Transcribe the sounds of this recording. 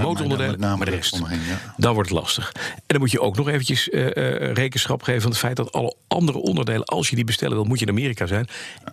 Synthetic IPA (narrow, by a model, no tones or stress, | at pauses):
mowtɔrɔndədejləmadəɛstdɑnʋɔɹtətlɑ̰stəχɛndɑmucjəʔoʊwknɔχejvəncəs | rejkənsχɑpχejvəvɑnətfɛjt̚dɑtɑ̰lˠəʔɑ̰ndərə̰ʔɔndəɹdejlə̰nʔɑ̰lˠsjədibəstɛ̰lənʋɪlˠmucjəɪnamɪːrikazɛjn